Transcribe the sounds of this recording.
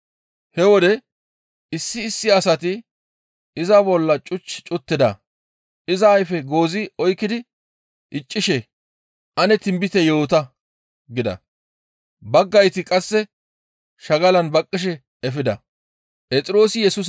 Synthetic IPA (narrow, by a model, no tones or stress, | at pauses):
hɛwɔd̪ɛ | ɪsːɪːsːɪɐsɐt̪ɪ | ɪzɐbɔlːɐt͡ʃʼʊt͡ʃːt͡ʃʼʊt̪ːɪd̪ɐ̰ | pʔɪzɐːjfɛɡo̞ːzɪɔjkːɪd̪ɪ | ʔɪt͡ʃʼːɪʃɛ | ʔɐnɛt̪ɪmbɪt̪ɛjo̞ːt̪ɐ | ɡɪd̪ɐ̰ | bɐɡːɐjt̪ɪkʼɐsːɛ | ʃɐɡɐlɐnbɐkʼːɪʃ̬ɛ | ɛfɪd̪ɐ | pʼɛt͡sʼɪɾo̞ːsɪjɛsʊs